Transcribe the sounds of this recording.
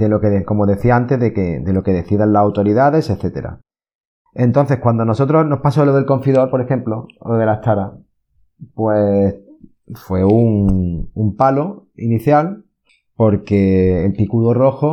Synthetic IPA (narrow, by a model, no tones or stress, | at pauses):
d̪elo̞keeko̞mo̞ðe̞θiaant̪e̞zðeked̪e̞lo̞ke̞ðe̞θiðanlasawt̪o̞ɾiðaðe̞se̞θe̞t̪e̞ɾa̰ | e̞nt̪o̞n̟θe̞hkwand̪o̞no̞so̞t̪ɾozno̞hpasoloðe̞lko̞ɱfiðo̞ɾpoɾe̞xe̞mplo̞oðe̞lat̪aɾa | pwes | fwe̞uŋumpalo̞iniθjal | po̞ɾke̞ːlpikuðoro̞xo